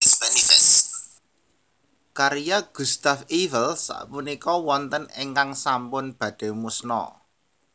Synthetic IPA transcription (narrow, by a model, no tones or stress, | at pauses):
spɛnifɛs | kaɾijaɡ̥ṳst̪afivəlsa̰ʔpunikɔwɔnt̪əneŋkaŋsampʊnb̥ä̤d̥e̤musnɔ̰